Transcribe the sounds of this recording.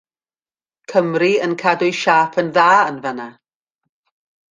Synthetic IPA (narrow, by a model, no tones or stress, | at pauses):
kʰəmriənkʰadʊɨʃaːpʰənðaːənvəna